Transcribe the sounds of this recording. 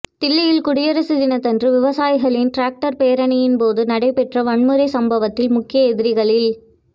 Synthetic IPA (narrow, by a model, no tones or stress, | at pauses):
t̪ɪlːɐjɪlkʊɽɪjɐɾɐsɯðɪnɐt̪ɐndrɯʋɪʋɐsaːjɣɐɭɪnʈɾaːk̚ʈɐɾpeːɾɐɳɐjɪnpoːðɯnɐɽɐɪpɛʈrɐʋɐɳmɯɾɐɪsɐmbɐʋɐt̪ːɪlmʊkːɪjɐɛðɪɾɪɣɐɭɪl